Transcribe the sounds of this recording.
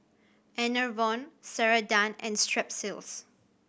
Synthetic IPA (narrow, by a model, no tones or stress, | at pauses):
ɛnəvɔ̃nsɛɹədãnɛ̰̃nstɹɛp̚sɪls